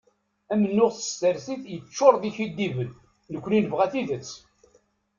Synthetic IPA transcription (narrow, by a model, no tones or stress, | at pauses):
æmənːʊʁθə̥st̪əɾsiθjət͡ʃːoɾˤðiçid̪ːivən | nəkʷːninəvʁæθiðət͡sː